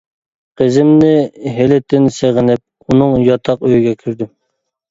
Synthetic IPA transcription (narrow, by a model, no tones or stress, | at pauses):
qʰəzɪmnɪɦelɪt̪ʰːɪnseʁɪnɪp̚ | unɨŋjɑt̪ʰɑqøjiɡʲɛkʲʰyɾd̪y